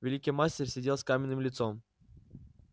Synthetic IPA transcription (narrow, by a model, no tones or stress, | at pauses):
vʲɪlʲikʲijmasʲtʲɪrʲsʲɪdʲelˠskamʲɪnːɨmlʲɪt̪som